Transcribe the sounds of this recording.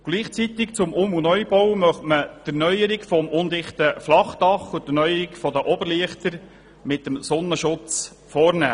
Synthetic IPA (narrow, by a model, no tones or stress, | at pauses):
ɡ̥liːχt͡sit̪ɪkt͡sʊmʊmunœʏbɔwmœχtmət̪ænœjəɾɪkfɔmʔʊnd̪ɪχt̪əflɑχt̪ɑχutənœʏəɾikfɔd̪əʔɔbəɾliəχt̪əɾ | mɪt̪ːəmsɔnːəʃʊt͡s | fɔːɾnæ̰ː